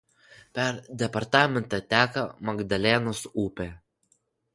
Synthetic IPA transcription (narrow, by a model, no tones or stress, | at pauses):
pʲɛɾd̪ʲɛpɐɾt̪ɑːmʲɛnt̪ɑt̪ʲæːkɐmɐɡd̪ɐlʲɛnosuːpʲe